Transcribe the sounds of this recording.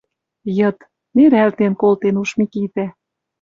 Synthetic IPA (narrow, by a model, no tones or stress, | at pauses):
jɤ̆t̪ | neɾælt̪enkolt̪enuʃmikit̪æ